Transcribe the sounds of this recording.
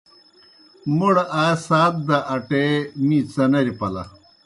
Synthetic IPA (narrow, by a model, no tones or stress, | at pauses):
muɽʔaːsaːt̪̚d̪aʔɐʈemĩːt͡sɐnɐɾipɐlɐ̰